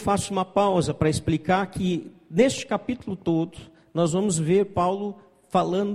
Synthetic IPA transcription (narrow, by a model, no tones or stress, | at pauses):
fasʊũmɐpawzɐpɾɐɪsplikaɾkɪnest͡ʃɪ̥kapit̪ulʊt̪od̪ʊ | nɔzvɐ̃mʊzveɾpawlʊ | falɐ̃nd̪